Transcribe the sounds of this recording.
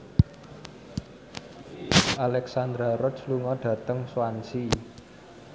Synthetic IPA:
ʔalɛksand̪ɾaɾɔt͡ʃluŋɔɖ̥ä̤t̪əŋswansi

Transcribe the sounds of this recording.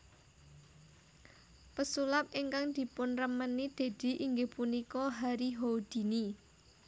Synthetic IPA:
pəsulap̚iŋkaŋd̪̥i̤pʊnrəmənid̪̥e̤d̪̥i̤ʔiŋɡɪhpunikɔɦaɾiɦowd̪̥i̤ni

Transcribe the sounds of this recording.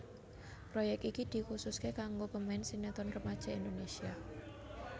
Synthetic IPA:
pɾɔjɛk̚t̪ikid̪̥i̤kususkekaŋɡopəmaɪnsinet̪ɔnrəmad̥ʒ̥aind̪onesia

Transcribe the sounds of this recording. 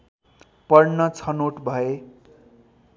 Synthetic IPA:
pʌrnʌt͡sʰʌnoʈbʱʌe

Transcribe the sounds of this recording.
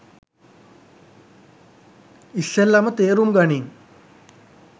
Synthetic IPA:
isːelːamət̪eːɾumɡaɳiːn

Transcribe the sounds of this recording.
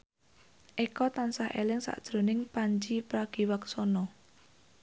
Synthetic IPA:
ʔekɔt̪ansahḛlɪŋsa̰ʔd̥ʒ̥ɾo̤nɪŋpaɲd͡ʒipɾaɡ̥i̤waksɔnɔ

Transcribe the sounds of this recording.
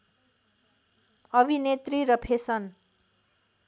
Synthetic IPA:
ʌbʱinet̪riɾʌpʰesʌn

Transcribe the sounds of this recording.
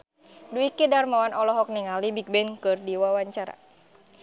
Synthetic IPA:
duikidarmawanɔlɔɦɔk̚nɛŋalibik̚bɛnkɨrdiwawaɲt͡ʃaɾa̰

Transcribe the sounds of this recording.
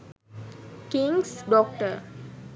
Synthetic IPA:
kĩŋsdɔk̚tə

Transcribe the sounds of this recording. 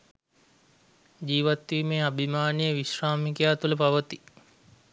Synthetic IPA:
d͡ʒiːʋat̪ːʋiːmeːabʱimaːnijəʋiʃraːmikejaːt̪uləpaʋət̪i

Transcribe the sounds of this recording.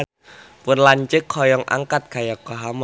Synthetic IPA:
pʊnlaɲt͡ʃəkʰːɔjɔŋʔa̰ŋkat̪̚kajakɔɦama

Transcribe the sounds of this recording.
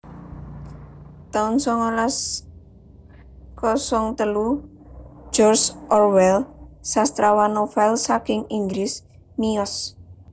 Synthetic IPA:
t̪aunsɔŋɔlas | kɔsɔŋt̪əlu | d͡ʒɔrsʔɔrwɛlsast̪ɾawanofɛlsakɪŋiŋɡɾɪs | niɔs

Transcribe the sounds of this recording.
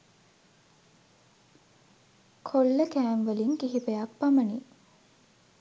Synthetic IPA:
kʰolːəkæːmʋəliŋkiɦipejak̚paməni

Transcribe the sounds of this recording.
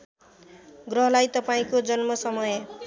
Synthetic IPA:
ɡrʌɦʌlajt̪ʌpaĩkod͡zʌnmʌsʌmʌje

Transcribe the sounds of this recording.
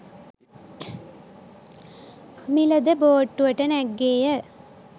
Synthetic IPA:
milɐd̪eboːʈːuʋɐʈɐnæɡːeːjə

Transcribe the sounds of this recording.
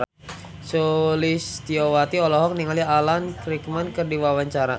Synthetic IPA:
solist̪iowat̪iɔlɔɦɔk̚niŋalialankɾikmankərdiwawaɲt͡ʃaɾa̰

